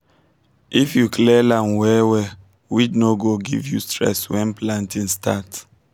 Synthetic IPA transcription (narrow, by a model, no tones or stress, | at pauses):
ʔifjuklɛlãnwɛwɛ | widnoɡoɡḭvjṵstɹɛ̰swɛ̃nplãntĩnstat